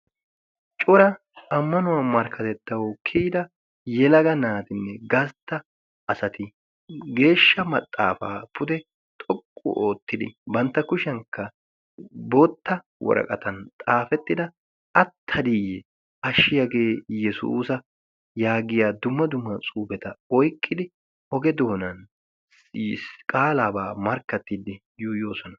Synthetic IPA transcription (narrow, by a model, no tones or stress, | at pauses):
t͡ʃʼɔɾɐ | ɐmːɐnʊwɐmɐɾkʰːɐt̪ɛt̪ːɐwɔkʰiːd̪ɐ | jɛlɐɡɐnaːt̪ɪnːɛɡɐst̪ːɐ | ɐsɐt̪ɪ | ɡe̞ːʃːɐmɐt̪ʼːa̰ːfa̰ːpʰʊd̪ɛ | t̪ʼɔkʼːʊ̰ʔoːt̪ːɪd̪ɪ̰bɐnt̪ːɐkʊʃɛŋkːɐ | boːt̪ːɐ | wɔ̰ɾʔɐ̰kʼɐt̪ɐnt̪ʼaːfɛt̪ːɪd̪ɐ | ɐt̪ʰːɐd̪ijɛ | ɐʃːɪjɐɡe̞ːjɛsṵːsɐ | jaːɡɪjaːd̪ʊmːɐd̪ʊmːɐt͡sʼuːbɛt̪ɐɔjkʼːɪd̪ɪ | ɔɡɛd̪o̞ːnɐn | kʼaːlaːbaːmɐɾkːɐt̪ːɪd̪ɪ | juːjo̞ːsɔnɐ